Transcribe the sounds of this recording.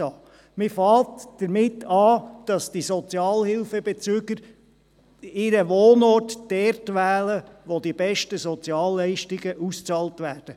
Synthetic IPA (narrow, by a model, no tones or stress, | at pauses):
ɑː | mɪfɑːtd̥əɾmɪtʰːɑːd̥ɑsd̥isɔt͡sjɑːlhɪlfəbet͡syːɡəɾ | ɪɾəʋoːnɔrtd̥ɛrtʋæːləʋodibɛʃtəsɔt͡sjɑːlːɛɪʃtiɡəʔust͡sɑːltʋæːrd̥ə